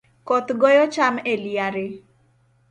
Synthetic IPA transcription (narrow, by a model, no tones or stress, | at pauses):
kɔt̪ɡɔjɔt͡ʃameliaɾɪ